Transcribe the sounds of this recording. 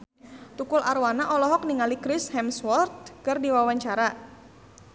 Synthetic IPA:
t̪ukʊlarwanaʔɔlɔɦɔk̚niŋalikɾɪshɛmswɔrt̪̚kɨrdiwawaɲt͡ʃaɾa

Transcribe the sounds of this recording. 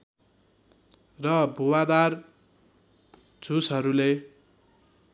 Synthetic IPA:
rʌbʱuwad̪ar | d͡zʱusɦʌɾule

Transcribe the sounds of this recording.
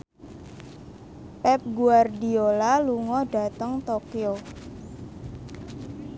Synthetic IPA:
pɛp̚ɡuardiolaluŋɔɖ̥a̤t̪əŋt̪okio

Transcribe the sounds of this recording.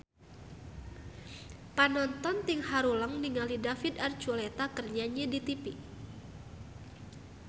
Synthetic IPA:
panɔnt̪ɔnt̪iŋhaɾuləŋniŋalidafid̪ard͡ʒolet̪akərɲaɲɛdit̪ipi

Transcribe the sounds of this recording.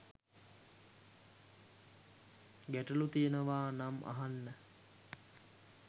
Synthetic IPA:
ɡæʈəlut̪iənəʋaːnamʔa̰ɦanːə

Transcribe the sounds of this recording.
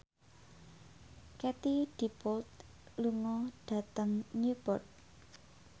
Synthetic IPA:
kɛt̪id̪̥i̤pɔlt̪ | luŋɔɖ̥ä̤t̪əŋɲupɔ̰t̪̚

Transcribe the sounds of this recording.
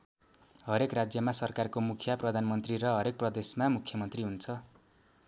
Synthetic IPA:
ɦʌɾekrad͡zjʌmasʌrkarkomukʰjʌprʌd̪ʱanmʌnt̪riɾʌɦʌɾek̚prʌd̪esmamukʰjʌmʌnt̪riɦunt͡sʰʌ

